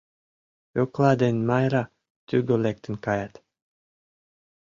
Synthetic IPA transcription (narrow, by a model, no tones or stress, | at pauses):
joklˠɑd̪enmɑjɾɑ | t̪yɡolek̚t̪ə̆nkɑjat̪